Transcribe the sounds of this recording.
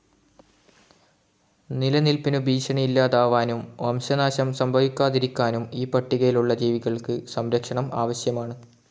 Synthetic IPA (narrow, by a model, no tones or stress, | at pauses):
nilɐnilpinubʱiːɕɐɳɐilːaːðaːʋaːnumʋɐmɕɐnaːɕɐmsɐmbʱɐʋikʲːaːðiɾikʲːaːnumiːpɐʈːiɣɐjiluɭːɐd͡ʑiːʋiɣɐɭkɨsɐmɾɐkʂɐɳɐma̰ːʋɐɕjɐmaːɳɨ